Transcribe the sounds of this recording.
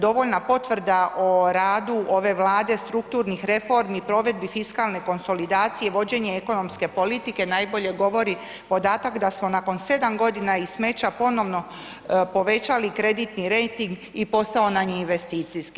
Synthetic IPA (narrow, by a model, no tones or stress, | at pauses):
d̪o̞ʋo̞ʎnapo̞t̪ʋr̩d̪aʔoɾaːd̪uʔo̞ʋe̞ʋlˠaːd̪e̞st̪ɾukt̪uɾnixɾe̞fo̞ɾmipɾo̞ʋe̞d̪̚bifiskalˠne̞ko̞nso̞lid̪aːt̪sije̞ʋo̞d͡ʑe̞ɲeeko̞no̞mske̞po̞lit̪ike̞najbo̞ʎe̞ɡo̞ʋo̞ɾi | po̞d̪aːt̪akd̪asmo̞nako̞nse̞d̪amɡo̞d̪inaisme̞t͡ɕapo̞no̞ʋno̞ | po̞ʋe̞t͡ɕalikɾe̞d̪it̪niɾejt̪iŋɡ | ipo̞st̪ao̞naɲiinʋe̞st̪iːt̪sijski̥